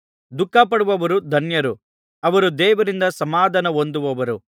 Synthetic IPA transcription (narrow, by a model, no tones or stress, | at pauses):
d̪ukːaːpɐɽuʋɐʋɐɾud̪ʱɐnjɐɾu | ɐʋɐɾud̪ɛːʋɐɾind̪ɐsɐmaːd̪ʱɐnɐond̪uʋɐʋɐɾu